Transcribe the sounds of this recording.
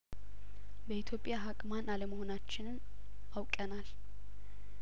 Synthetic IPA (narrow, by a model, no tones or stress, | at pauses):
bəit̪ʰjo̞pʼːjaɦakʼmanaləməho̞nat͡ʃːɪnɨn | awkʼənal